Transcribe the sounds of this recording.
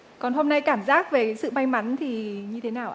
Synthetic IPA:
kɔ˨˩nɦo˧mna˧jkaː˧˩mzaː˦˥k̚ve˨˩˨sɨ̰˧˨ma˧jma˨˦nt̪ʰi˨˩ɲɨ˧t̪ʰe˨˦naː˨˧˩wʔ

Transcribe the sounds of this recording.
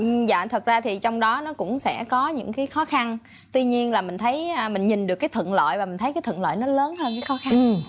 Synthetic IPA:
ʔɨ˩za̰ː˧˨t̪ʰə˨˩t̚zaː˧t̪ʰi˨˩t͡ɕɔ˧wŋ͡mɗɔ˨˦nɔ˨˦kʊ̰˧˥ŋ͡msɛ̰˧˥˩kɔ˨˦ɲɨ̰˧˥ŋkaː˨˦jxɔ˨˦xa˧n | t̪wi˧ɲi˧ənlaː˨˩mï˨˩ŋ̟t̪ʰə˨˦jəː˧mï˨˩ŋ̟ɲï˨˩nɗɨ˨˩kːaː˨˦jt̪ʰwə̰˧˨nlo̰˧˨jvaː˨˩mï̟˨˩t̪ʰə˨˦jkaː˨˦jt̪ʰə̰˧˨nlo̰˧˨jnɔ˨˦ləː˨˦nɦəː˧nkaː˨˦jxɔ˨˦xa˧n˨˩

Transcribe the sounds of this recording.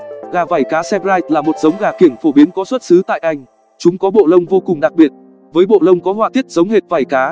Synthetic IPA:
ɣaː˨˩vaː˧˩jkaː˨˦sɛ˧pzaː˧jt̚laː˨˩mo˨˩t̚z̥ə˨˦wŋ͡mɣaː˨˩ki˧˩əmfo˧˩ɓi˨˦ənkɔ˨˦swə˦˥t̚sɨ˨˦t̪a̰ː˧˨jʔa˧jŋ̟ | t͡ɕʊ˨˦ŋ͡mkɔ˨˦ɓo̰˧˨lə˧wŋ͡mvo˧kʊ˨˩ŋ͡mɗa˨˩k̚ɓi˨˩ət̚ | vəː˨˦jɓo̰˧˨lə˧wŋ͡mkɔ˨˦ɦwaː˧˨t̪ʰi˦˥ət̚zə˨˦wŋ͡mɦe˨˩t̚vaː˨˧˩jkaː˨˦

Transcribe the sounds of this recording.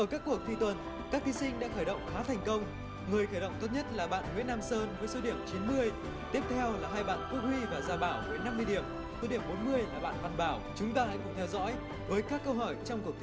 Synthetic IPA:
ʔəː˧˩kaː˦˥kːu˨˩ək̚t̪ʰi˧t̪wə˨˩n | kaː˦˥k̚t̪i˨˦sï˧ŋ̟ɗa̰ː˧˥xəː˧˩jɗə̰˧˨wŋ͡mxaː˨˦t̪ʰɛ˨˩jŋ̟kə˧wŋ͡m | ŋɨ˨˩əjxəː˧˩jɗə̰˧˨ŋ͡mt̪o˦˥t̚ɲə˦˥t̚laː˨˩ɓa̰ː˧˨nŋwḭ˧˥ənːaː˧msəː˧nvəː˨˦jso˨˦ɗi˧˩əmt͡ɕi˨˦nmɨ˧əj | t̪i˦˥əp̚t̪ʰɛ˧wlaː˨˩ɦaː˧jɓa̰ː˧˨nt̪u˦˥k̚hwi˧vaː˨˩zaː˧˩ɓaː˧˩wvəː˨˦jna˧mːɨ˧əjɗi˧˩əm | so˨˦ɗi˧˩əmɓo˨˦nmɨ˧əjlaː˨˩ɓa̰ː˧˨nɓaː˨˩nɓaː˧˩wt͡ɕʊ˨˦ŋ͡mt̪aː˧ha̰˧jkʊ̰˧˥ŋ͡mt̪ʰɛ˧wzɔ̰˧˥j | vəː˨˦jkaː˦˥kːə˧wɦɔ˧˩jt͡ɕɔ˧wŋ͡mku˨˩ək̪̚

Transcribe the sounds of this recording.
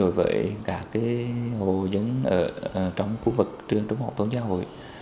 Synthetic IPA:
o˧˩jvə̰ː˧˩jkaː˦˥˩kːaː˨˦jho˨˩zə˨˦nʔəː˧˩˨t͡ɕɔ˧wŋ͡mxu˧˦vɨ˨˩k̚t͡ɕɨ˧əŋt͡ɕə˨˦ŋ͡mɦa˨˩wt̪ə˧˦ŋ͡mzaː˧ɦo̰˧˨j

